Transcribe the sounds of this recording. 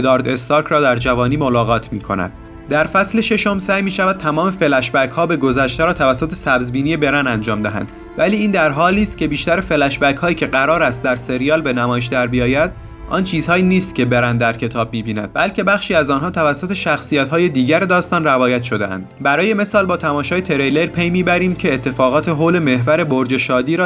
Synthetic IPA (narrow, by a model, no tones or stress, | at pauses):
ed̪ɒːɾd̪e̞st̪ɒɾkʰɾɒːd̪æɾd͡ʒævɒːniːmolɒːɣɒːt̪ʰmiːkʰo̞̰næ̰d̪̥ | d̪æɾfæsle̞ʃe̞ʃo̞msæːjmiːʃævæd̪̥̚t̪ʰæmɒːme̞fe̞læʃbækhɒːbe̞ɡo̞zæʃt̪eɾɒːt̪ʰævæsːot̪ʰe̞sæbzbiːnije̞be̞ɾænænd͡ʒɒːmd̪æɦæ̰nd̪̥ | væliːiːnd̪æɾɦɒːliːst̪̚cʰe̞biːʃt̪æɾefe̞læʃbækhɒːjiːcʰeɢæɾɒːɾæst̪̚d̪æɾse̞ɾijɒːlbe̞næmɒːjeʃ̬d̪æɾbijɒːjæd̪̚ | ʔɒ̰nt͡ʃʰiːz̥hɒːjiːniːst̪cʲʰe̞be̞ɾænd̪d̪æɾcʰe̞t̪ʰɒːb̚miːbiːnæ̰d̪̥̚bælcʰe̞bæxʃiːæzɒːnɦɒːt̪ʰævæsːot̪ʰe̞ʃæxsijæt̪hɒːje̞d̪iːɟæɾed̪ɒːst̪ɒːnrævɒːjæt̪ʃo̞d̪ḛæ̰nd̪̥bæɾɒːje̞me̞sɒːlbɒːt̪ʰæmɒːʃɒːjet̪ʰe̞ɾejleɾpʰe̞jmiːbæɾiːmcʰeːt̪ʰːe̞fɒːɣɒːt̪ʰe̞ɦoːle̞me̞ɦvæɾe̞boɾd͡ʒe̞ʃɒːd̪iːɾɒː